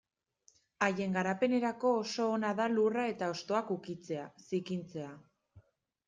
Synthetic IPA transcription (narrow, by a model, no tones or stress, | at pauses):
aje̞ŋɡaɾape̞ne̞ɾako̞ːso̞ːnaðalurae̞t̪ao̞st̪o̞akukit͡se̞asikint͡se̞a